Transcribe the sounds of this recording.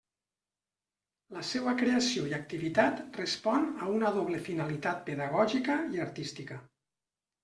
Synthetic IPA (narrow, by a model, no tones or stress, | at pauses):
ləsɛβəkɾeəsioiak̚t̪iβit̪at̪respɔnəunəðoβlefinalit̪at̪̚peðaɣɔʒikəiaɾt̪ist̪ikə